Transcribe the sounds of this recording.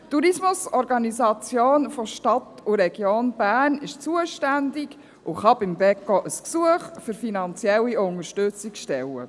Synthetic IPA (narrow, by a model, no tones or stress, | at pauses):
tuɾismʊsɔɾɡɑnizɑt͡sjoːnfoʃtɑt̪uɾɛɡ̥joːnb̥æːnɪʃt͡suəʃtændɪɡ | ʔʊχɑbɪmbɛkːɔʔəsksuəχfʏɾfinɑnt͡sjɛlːiʊŋəʃtʏt͡sɪkʃtɛlːə̰